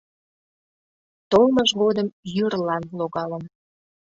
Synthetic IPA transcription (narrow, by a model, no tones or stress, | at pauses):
t̪olməʒɣod̪əmjyrlɑnloɣɑlən